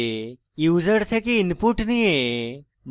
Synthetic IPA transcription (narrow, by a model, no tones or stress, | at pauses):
juːzəɽt̪ʰekiːnpuʈnie | m